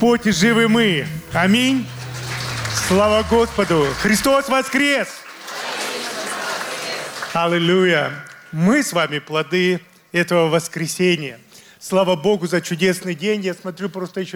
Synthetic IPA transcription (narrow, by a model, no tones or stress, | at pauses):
potʲɪʐɨvɨmɨɐmʲinʲ | slˠavəɡo̞spəd̪ʊxɾʲɪst̪o̞svɐskɾʲes | ɐlʲɪlʲujəmɨsvamʲɪplˠɐd̪ɨ | ɛt̪əvəvəskɾʲɪsʲenʲɪjə | slˠavəbo̞ɡʊzɐt͡ɕʊdʲe̞snɨjdʲenʲjasmɐt̪ɾʲupɾo̞st̪əjɪɕː